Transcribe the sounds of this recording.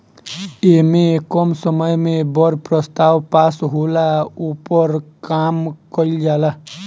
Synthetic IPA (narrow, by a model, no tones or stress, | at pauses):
emekɔmsʌmʌjmebʌɾpɾʌst̪awpasɦolaupʌɾkamkʌild͡ʒala